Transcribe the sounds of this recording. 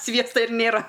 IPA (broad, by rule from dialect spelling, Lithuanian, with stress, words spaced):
ˈsʲʋʲiɛstɐ ɪr ˈnʲeːrɐ